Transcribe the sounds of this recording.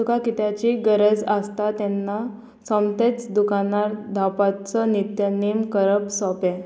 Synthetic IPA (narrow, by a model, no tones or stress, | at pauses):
sukakit̪jat͡ɕiɡəɾəd͡zast̪at̪ɛnːa | sɔmt̪et͡sd̪ukanaɾd̪ʱapat͡sənit̪janimkəɾəpsɔpɛ̃